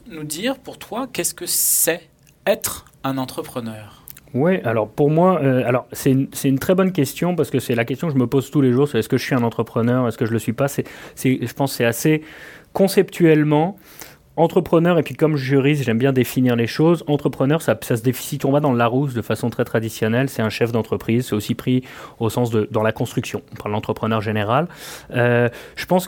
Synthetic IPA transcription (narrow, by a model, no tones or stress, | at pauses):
nud̪iʁpuʁt̪wakʲɛskəsɛ | ɛt̪χ | ɛ̃nɑ̃t̪χəpχənœːʁ | wɛʔalɔʁpuʁmwaøalɔʁsɛynsɛt̪ynt̪χɛbɔnk̬ʲɛst̪jɔ̃paʁsə̥kəsɛlakʲɛst̪jɔ̃kəʒəməpozt̪uleʒuʁsɛɛskəʒəsɥiɛ̃nɑ̃t̪χəpχənœʁɛskəʒələsɥipasɛsɛʒəpɑ̃sːɛase | kɔ̃sɛpt̪ʰɥɛlmɑ̃ | ɑ̃t̪χəpχənœʁepɥikɔmʒəʒyʁis̬ʒɛmbjɛ̃d̪efiniʁleʃozɑ̃t̪χəpχənœʁsasas̬əd̪efi̥sit̪ɔ̃bad̪ɑ̃laʁus̬d̪əfasɔ̃t̪χɛt̪χad̪isjɔnɛlsɛt̪ɛ̃ʃɛfd̪ɑ̃t̪χəpχizsɛosipχiosɑ̃s̬d̪əd̪ɑ̃lakɔ̃st̪χyksjɔ̃ɔ̃paʁllɑ̃t̪χəpχənœʁʒeneʁaløʒ̥əpɑ̃s